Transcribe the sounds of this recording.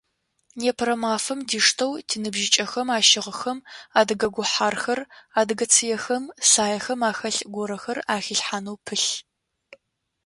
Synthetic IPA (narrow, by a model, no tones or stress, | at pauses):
neːpʰɾɐmaːfɐmdiːʂtʰɐwtʰinɨbʒɪt͡ʃʼɐxɐmaːʃɪʁəxɐmaːdɨɡɐɡʷʊħaːrxɐraːdɨɡɐt͡sʰɨjɛxɐmsaːjɐxɐmaːxɐɬɡʷɔɾɐxɐraːxiɬħaːnɐwpʰɨɬ